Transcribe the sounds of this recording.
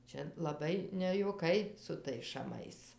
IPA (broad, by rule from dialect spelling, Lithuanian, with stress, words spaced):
ˈt͡ʃʲɛ lˠɐˈbɐɪ nʲɛjuɔˈkɐɪ sʊ ˈtɐɪs ʃɐˈmɐɪs